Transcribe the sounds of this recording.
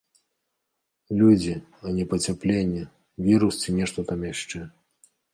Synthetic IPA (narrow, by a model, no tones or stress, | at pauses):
lʲud͡zʲi | ɐnʲɛpɐt͡sʲaplʲenʲːɐ | vʲiɾust͡sʲinʲɛʂt̪ɔt̪amjaʂt͡ʂɛ